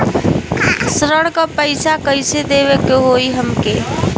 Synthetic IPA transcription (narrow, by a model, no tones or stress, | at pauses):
sɾəɽkəpəjsakəɪsed̪eβekeɦoiɦəmke